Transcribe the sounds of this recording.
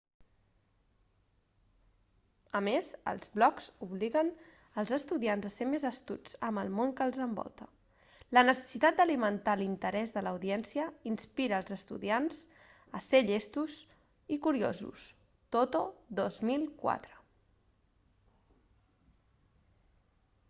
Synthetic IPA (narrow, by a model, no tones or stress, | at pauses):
əmezə̰lˠzβlɔkz̥uβliɣən | əlˠzəst̪uðianzəsemezəst̪ṵt͡səməlˠmoŋkəlˠzəmbɔ̰lˠt̪ə | lənəsə̥sit̪at̪̚d̪əlimənt̪alint̪əɾɛzðələwðiɛnsiəinspiɾəːlˠzəst̪ṵðianz̥ | əseʎest̪uz | ikuɾio̰zṵs | t̪ot̪oðozmilˠkwa̰t̪ɾə